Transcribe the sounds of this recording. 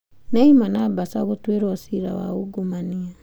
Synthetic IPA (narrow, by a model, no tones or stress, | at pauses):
neimanabasaɡotueɾosiɾa̰wa̰oɡomania